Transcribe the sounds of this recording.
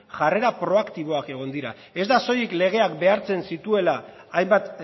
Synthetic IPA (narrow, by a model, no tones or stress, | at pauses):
ʝare̞ɾapɾo̞akt̪iβ̞o̞ake̞ɣ̞o̞nd̪iɾa | e̞zd̪aso̞jikle̞ɣ̞e̞akbe̞aɾt͡se̞nsit̪ue̞laː | jmbat̪